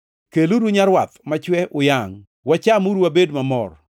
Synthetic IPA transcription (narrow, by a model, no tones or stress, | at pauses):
keluɾuɲaɾwat̪mat͡ʃwɛʔʊjaŋ | wat͡ʃamuɾwabedmamɔr